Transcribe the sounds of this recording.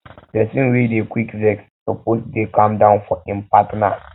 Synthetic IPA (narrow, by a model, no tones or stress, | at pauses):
dɛsĩnwidekwikzɛkssoposdekʰãmdãʊ̃nfɔĩmpatna